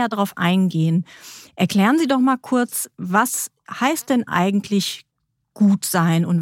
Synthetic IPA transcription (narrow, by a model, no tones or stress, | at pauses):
aɐdaʁaʊfʔa̰ɪnɡeːənʔɛɐkl̥ɛːʁ̞ənziːdɔχmaːlkʰʊɐt͡svas | haɪst̚d̥ɛnʔa̰ɪɡŋ̩tʰlɪç | ɡ̥uːtz̥aɪnʊnt